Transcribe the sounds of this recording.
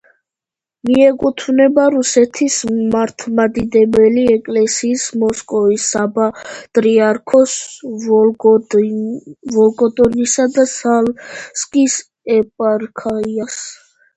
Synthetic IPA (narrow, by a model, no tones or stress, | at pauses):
miɛkʼut̪ʰvnɛbaɾusɛt̪ʰismaɾt̪ʰmad̪id̪ɛbɛliɛkʼlɛsiːsmɔskʼɔvisabat̪ʼɾiaɾkʰɔs | vɔlɡʼɔd̪ɔnisad̪asalskʼis | ɛpʼaɾkʰaias